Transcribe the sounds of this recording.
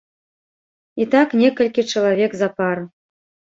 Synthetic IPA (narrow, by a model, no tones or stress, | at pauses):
it̪ɑknʲekə̆lʲkʲet͡ʃĕlˠavʲekzapɑɾ